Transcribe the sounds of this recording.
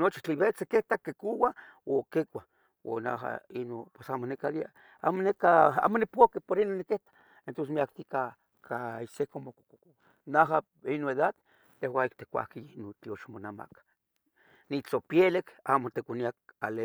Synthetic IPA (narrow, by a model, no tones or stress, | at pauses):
not͡ʃi̥t͡ɬiβet͡sekeht̪akekuwawokekʷa | wo̰na̰ɦa̰inopwesamonekad̪ia | amonekaa̰ːmonipokepoɾinonːikeht̪ḁ | ent̪onsmiak̚t̪ika | kaisekomoko̥koko | naɦa | inoeðad̪ː | ehwaikt̪ekʷa̰hkiinot͡ɬ̪ioʃmonama̰kḁ | nit͡ɬopjelekamot̪ekʷaniak̚ale